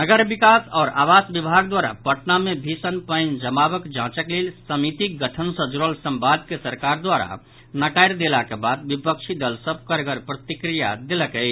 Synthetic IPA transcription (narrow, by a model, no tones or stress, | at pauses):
nəɡəɾbikasɔːɾa̰ʋasbibʱaɡd̪waɾa̰pəʈnamebʱisənpəɪnd͡ʒəmabəkd͡ʒãt͡ʃəklelsəmit̪iɡəʈʰənsəd͡ʒɾəlsə̃mbad̪kesəɾkaɾd̪waɾa̰ | nəkaɪɾd̪elakebad̪bipək̚t͡ʃʰid̪əlsəb̚ʱkəɾɡəɾpɾət̪ikɾija̰d̪eləkəɪ